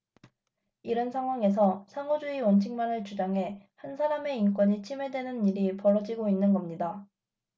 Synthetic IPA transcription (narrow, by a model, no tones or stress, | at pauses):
iɾʌnsʰaŋɦwaŋe̞s̬ʰʌsʰaŋod͡ʑuiwʌnt͡ɕʰiŋmanɯɭt͡ɕud͡ʑaŋɦe̞hansʰaɾame̞ink͈wʌɲit͡ɕʰime̞dwe̞nɯniɾipʌɾʌd͡ʑiɡoinːɯnɡʌmɲida